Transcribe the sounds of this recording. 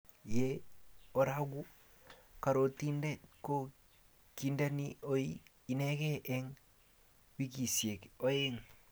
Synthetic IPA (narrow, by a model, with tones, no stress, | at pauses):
jeɔ˨ɾaɡu˦ | ka˨ɾo˨ti˦ndɛ˦tko˦ | ki˨nda˦nio˦i | i˨nɛ˦kɛ˦ʔɛ˦ŋ | wi˦ki˨sie˨ko˦e˦ŋ